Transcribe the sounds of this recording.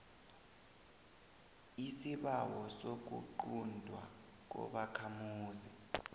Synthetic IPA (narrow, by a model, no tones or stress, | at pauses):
isiɓawɔsok̬ṵǃundʱwa̰ | k̬ɔ̰ɓakʰamuːzi